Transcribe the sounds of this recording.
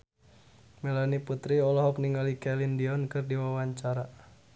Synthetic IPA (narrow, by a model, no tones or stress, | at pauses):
mɛlɔniput̪ɾiɔlɔɦɔk̚niŋɡalikɛlindiɔnkɨrdiwawaɲt͡ʃaɾa